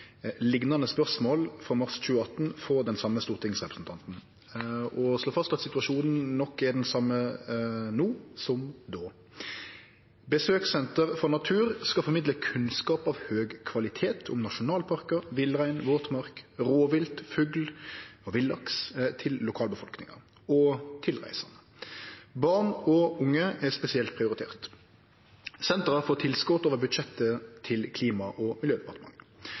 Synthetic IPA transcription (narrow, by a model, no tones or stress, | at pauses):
lɪɡnɑnəspœʁsmoːlfʁɔmɑʁsc͡çʉːəɑt̪n̩fɔʁd̪ɛnsɑmːəst̪uːʁt̪ʰɪŋsʁɛpɾəsn̩t̪ʰɑnt̪n̩ | ɔsloːfɑst̪ɑt̪sɪt̪ʉɑʂuːnn̩nɔkːɛd̪ɛnsɑmːə | nuːsɔmd̪oː | bəsøːksɛnt̪əʁfɔʁnɑt̪ʰʉːʁskɑfɔʁmɪd̪ləkʰʉnskɑːpɑːʋhøːɡkʰʋɑlɪt̪ʰeːt̪ʰʊmnɑʂʊnɑːlpʰɑʁkəʋɪlʁæɪnʋoːt̪mɑʁkʁoːʋɪlt̪fʉɡlɔʋɪlːɑkst̪ʰɪlːʊkʰɑːlbəfɔlknɪ̰ŋə̰ | ɔt̪ʰɪlʁæ̰ɪsɑnə | bɑʁnɔʊŋːəɛspɛsɪɛlt̪̚pʰʁɪʊɾɪt̪ʰḛːʁt̪ | sɛnt̪ʁɑfoːʁt̪ʰɪlskɔt̪oːʋəʁbʉd̪ʃɛt̪ːət̪ʰɪlkʰliːmɑʔɔmɪljøːd̪ɛpɑʁt̪əmɑ̰ŋː